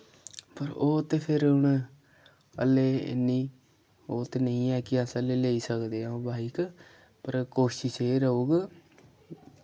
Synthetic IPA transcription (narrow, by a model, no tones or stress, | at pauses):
pəɾoːt̪eːpʰɪɾɦʊɳ | ə̰lːeːɪ̰nːiː | oːt̪eːnəĩːɛːkɪəsəleːleiːsəkd̪eːaõːbʱaːik | pəɾkoːʃɪʃeːɾəuːɡ